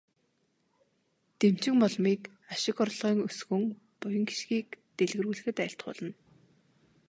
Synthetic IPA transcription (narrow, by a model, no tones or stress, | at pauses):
t̪em̥t͡ɕɪ̆ŋmɔɮmiːk | aʃɪ̆kɔrɮʁiːŋɵsɣɵ̆ŋ | pʊjɞ̆ŋɡi̥ʃɡiːk̚t̪eɮɣɘrɣuːɮɘ̆xɘ̆t̪æːɬt̪χʊ̰ɮə̆n